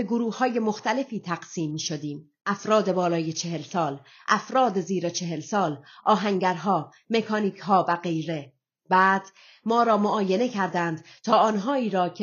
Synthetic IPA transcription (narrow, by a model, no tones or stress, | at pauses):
eɡoɾuːhhɒːje̞moxt̪æle̞fiːt̪ʰæɡ̥siːmːiːʃod̪iːm | ʔæfɾɒːd̪e̞bɒːlɒːje̞t͡ʃʰe̞ɦe̞lsɒːl | ʔæfɾɒːd̪eziːɾet͡ʃʰe̞ɦelsɒːlʔɒːɦæŋɟæɾɦɒː | me̞kʰɒːniːcʰɦɒːvæɡe̞jɾe̞ | bæːd̪̥ | mɒːɾɒːmoʔɒːje̞ne̞cʰæɾd̪ænd̪ | t̪ʰɒːɒːnɦɒːiːɾɒːcʰe